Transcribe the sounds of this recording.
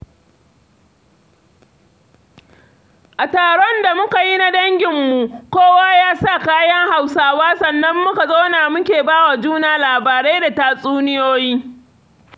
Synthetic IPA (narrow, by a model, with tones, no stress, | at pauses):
ʔa˨taː˨ɽɔ˦nda˨mʊ˦ka˨ji˦na˦dɐ˦ŋɡʲɪ˨mːu˨kʷoː˦waː˦jaː˦sa˦˨kaː˦jɐ˦ŋha˨wsaː˦waː˦sɐ˨nːɐ˦mːʊ˦ka˨zoː˦naː˨mʊ˦kʲeː˨baː˦wa˨d͡ʒuː˦naː˨laː˨baː˨ɾe˦da˨taː˨sʼuː˦nɪ˦joː˦jiː˦